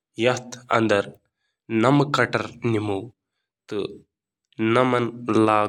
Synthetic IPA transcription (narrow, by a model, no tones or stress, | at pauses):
jɐt̪ʰɐ̰nd̪ɐɾ | nɐmkɐʈɐɾnimuw | t̪ɨ | nɐmɐnlaː